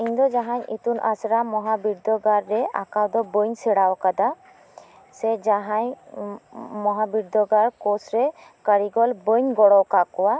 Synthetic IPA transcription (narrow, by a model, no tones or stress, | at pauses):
iɲd̪ɔd͡ʒaɦaɲḭt̪unʔasɾamɔɦabiɾd̪ɔɡaɾːɛa̰kawd̪ɔbəɲsɛɽawkad̪a | sɛd͡ʒaɦaɲ | mɔɦabiɾd̪ɔɡaɾkɔsɾɛkəɽiɡɔlbəɲɡɔɽɔwkakɔwa